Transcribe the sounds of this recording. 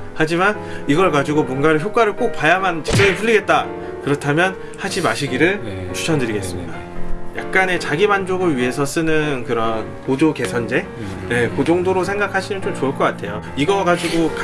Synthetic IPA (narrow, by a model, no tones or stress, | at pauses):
had͡ʑiman | iɡʌɭɡad͡ʑuɡomwʌnɡaɾɯɭçjok͈waɾɯɭk͈ok̚p͈ajamant͡ɕed͡ʑʰeɾɯɸʰuʎːiɡe̞t̚t͈a | kɯɾʌtʰamjʌn | had͡ʑimaɕʰiɡiɾɯɭt͡ɕʰu̥t͡ɕʰʌndɯɾiɡe̞s͈ɯmɲḭda | jʔa̰k̚k͈ane̞t͡ɕaɡimand͡ʑoɡɯɭɥiɦe̞sʰʌs͈ɯnɯnkɯɾʌn | pod͡ʑoke̞sʰʌnd͡ʑe̞ | jekod͡ʑoŋdoɾos̬ʰe̞ŋɡakʰaɕʰimɯnt͡ɕomt͡ɕoɯɭk͈ʌk͈atʰe̞jo̰ | iɡʌɡad͡ʑiɡok